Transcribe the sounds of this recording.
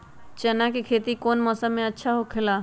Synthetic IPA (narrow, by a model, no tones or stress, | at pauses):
t͡ʃɐnakekʰeːt̪ikoːnmɔːsəmẽɐtːʃʰaɦokʰɪlaː